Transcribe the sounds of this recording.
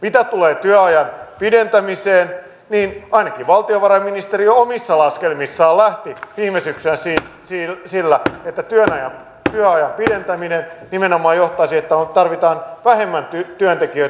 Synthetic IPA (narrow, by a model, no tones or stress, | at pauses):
mit̪æt̪uleːt̪yæɑjɑnpident̪æmiseːn | niːnɑinɑkiʋɑlt̪ioʋɑrɑminist̪erioomisːɑlɑskelmisːɑːlæht̪iʋiːmesykseːnsiːsisilːæet̪ːæt̪yønɑjɑm | t̪yøɑjɑmpident̪æminennimenomˑɑːjjoht̪ɑisiet̪ːæot̪ɑrʋit̪ɑːnʋæhemːænt̪yt̪yønt̪ekiøi